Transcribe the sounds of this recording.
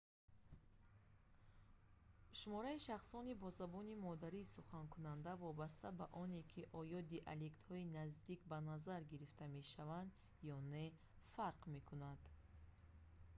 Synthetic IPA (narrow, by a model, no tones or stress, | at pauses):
ʃumɔɾaiʃaχsɔnibɔzabɔnimɔd̪aɾiːsuχankʰunand̪avɔbast̪ʰabaʔɔnekʰiʔɔjɔd̪iʔalekt̪hɔinazd̪ikbanazaɾɡiɾift̪ʰame̞ʃavand̪ | jɔne | faɾqme̞kʰunad̪̥